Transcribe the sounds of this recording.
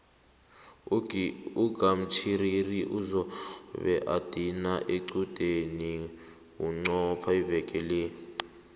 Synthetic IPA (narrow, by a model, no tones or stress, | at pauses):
uɡ̥ʱam̩t͡ʃʰiririʔuzɔβɛ̰ʔad̥ʱinaʔeǀud̥ʱeni | wuŋ͡ǀɔpʰaivɛkʼɛleːi